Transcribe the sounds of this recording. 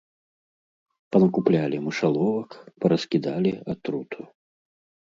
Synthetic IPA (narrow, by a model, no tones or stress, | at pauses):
pɐnɐkuplʲalʲimɨʂalˠɔvɐkpɐɾɐskʲid̪alʲiat̪ɾut̪ʰu